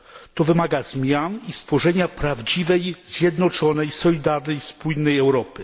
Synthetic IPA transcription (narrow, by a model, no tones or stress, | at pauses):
t̪ɔvɘmaɡazmʲjanist̪fɔʐɛɲapɾavd͡ʑivɛjz̥ʲjɛd̪nɔt͡ʂɔnɛjsɔlʲid̪aɾnɛjspujnːɛjɛwɾɔpɘ